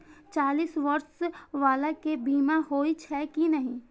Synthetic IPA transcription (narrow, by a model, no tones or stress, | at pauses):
t͡ʃaːliːsʋɐɾsʋaːlakebiːmahoːit͡ʃʰɛːkinəɦĩː